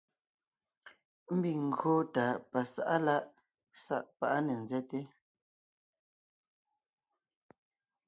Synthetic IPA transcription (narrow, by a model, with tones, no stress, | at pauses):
m̩˦bi˨ŋ̩˨ɡoː˦taː˨pa˨sa̰˦ʔa˦la˦ʔ | sa̰˦ʔpa˦ʔa˦nɛ˨n̩˨zɛ˦te˦